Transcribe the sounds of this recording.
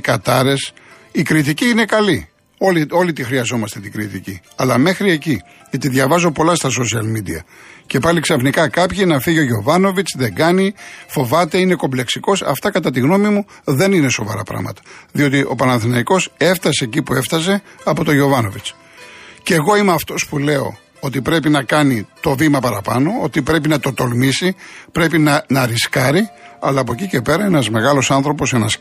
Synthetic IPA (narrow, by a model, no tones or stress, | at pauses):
kɐt̪ɐɾe̞s | ikɾit̪̬iciine̞kɐli | o̞lio̞lit̪ixɾiɐzo̞mɐst̪e̞t̪iɡɾit̪icḭɐlɐme̞xɾieci | t̪iðʝɐvɐzo̞po̞lɐst̪ɐs̬o̞s̬iɐlmid̪ḭɐ̰ce̞pɐliksɐfnikɐkɐpçinɐfiʝeo̞ʝo̞vɐno̞vit͡sðe̞ɡɐnifo̞vɐt̪e̞ine̞ko̞mble̞ksiko̞sɐ̰ft̪ɐkɐt̪ɐt̪iɣno̞mimu | ðe̞nine̞so̞vɐ̰ɾɐ̰pɾɐ̰mɐ̰t̪ɐ̥ðio̞t̪iʔo̞̰pɐnɐnθinɐiko̞se̞ft̪ɐse̞ːcipue̞ft̪ɐs̬e̞ɐpo̞t̪oʝo̞vɐno̞vit͡s | ceɣo̞imeɐft̪o̞spule̞o̞̰ | ot̪ipɾe̞pinɐkɐnit̪o̞vimɐpɐɾɐpɐno̞o̞t̪ipɾe̞p̬inɐt̪o̞t̪o̞lmisipɾe̞pinɐnɐɾiskɐɾiɐ̰lɐːp̬o̞cice̞pe̞ɾɐenɐzme̞ɣɐlo̞sɐnθɾo̞po̞se̞nɐ̰s